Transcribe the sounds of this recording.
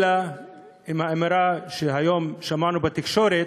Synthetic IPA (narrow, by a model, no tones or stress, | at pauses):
la | imhaameɾaʃeɦajo̞mʃamanubet̪ikʃo̞ɾe